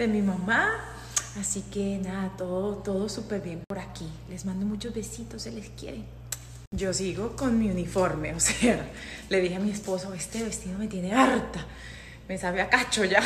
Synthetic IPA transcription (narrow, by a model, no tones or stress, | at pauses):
e̞mimama | asikenaðat̪o̞ðot̪o̞ðo̞supe̞ɾβje̞mpo̞ɾakile̞zmãnd̪o̞mũt͡ʃo̞zβe̞sit̪o̞seleskjḛɾe | d͡ʒo̞siɣo̞ko̞nmiunifo̞ɾme̞ose | le̞ðixeamie̞spo̞soβest̪eβe̞st̪iðomet̪je̞neaɾt̪a | me̞saβeakat͡ʃo̞ʝa